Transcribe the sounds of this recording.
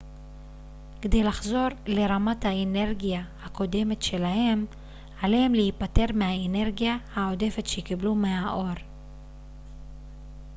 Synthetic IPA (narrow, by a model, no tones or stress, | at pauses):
ked̪e̞jlaχzo̞ʁle̞ʁamathaene̞ʁɡijahako̞de̞me̞tʃe̞lahe̞m | alehemlehipate̞ʁmehaene̞ʁɡijahaode̞fe̞tʃekiblumeaʔo̞ʁ